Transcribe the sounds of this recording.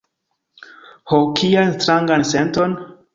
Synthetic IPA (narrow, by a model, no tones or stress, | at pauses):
hokʰianstɾaŋɡansenton